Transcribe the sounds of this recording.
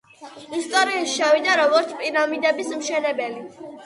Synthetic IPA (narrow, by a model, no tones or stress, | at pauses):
ist̪ʼɔɾiaʃt͡ʃʰawid̪aɾɔɡɔɾt̪sʰpʼiɾamid̪ɛbismʃɛnɛbɛli